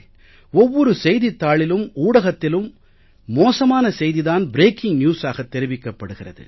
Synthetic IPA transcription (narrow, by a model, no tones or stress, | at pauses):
ɔʋːɔɾɯsɛjðit̪ːaːɭɪlɯmuːɽɐɣɐt̪ːɪlɯmː | oːsɐmaːnɐsɛjðiðaːnbɪɾeːkɪŋnjuːsaːɣɐt̪ːɛɾɪʋɪkːɐpːɐɽɯɣɪrɐðɯ̰